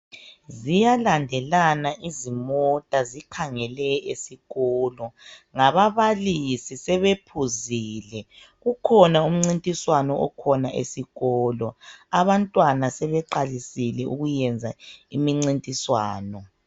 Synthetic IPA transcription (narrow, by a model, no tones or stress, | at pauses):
zijalandʱɛlanaʔizimɔtʼazikʰaŋɛlɛesiɣɔːlɔŋaβaβalisisɛβepʰuziːlɛ | ɣukʰɔnaum̩ŋ͡ǀintʼiswanɔʔɔkʰɔnaʔḛsiɣɔːlɔaβantʼwanasɛβɛǃalisilɛṵɣujɛnd͡zʱaimiŋ͡ǀintʼiswaːnɔ